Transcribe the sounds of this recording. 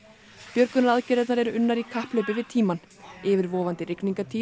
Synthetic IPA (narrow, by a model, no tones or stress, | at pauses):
pjœɾkʏnaɾaðcɛɾɛt̪naɾɛɾʏnːaɾikʰahplœɥpɪvɪðt̪ʰiːman | ɪvɪɾvɔːvant̪ɪɾɪkniŋkat̪ʰiː